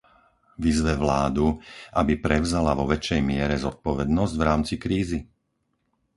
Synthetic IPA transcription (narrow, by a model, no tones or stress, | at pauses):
ʋizʋɛʋlaːd̪uʔabipɾɛʊzalaʋɔʋɛt͡ʃɛjmɪɛɾɛzɔt̪̚pɔʋɛd̪nɔzɟvɾaːmt͡sikɾiːzi